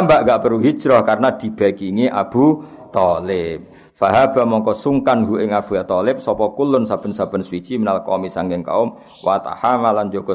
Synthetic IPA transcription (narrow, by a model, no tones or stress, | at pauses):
ambaʔŋɡaʔpəɾuɦi̥ʒ̥ɾɔhkarənad̪̥i̤b̥a̤kiŋiʔab̥ṳ | t̪ɔlɪp̚ | faɦab̥a̤mɔŋkɔsuŋkanɡuʔɪŋab̥ṳjat̪ɔlɪp̚sɔpɔkulʊnsab̥ə̤nsab̥ə̤nswid̥t͡ʃimənalkɔ̰misaŋɡɪŋka̰ʊm | wat̪a̰hamaland͡ʒoɡ̥ɔ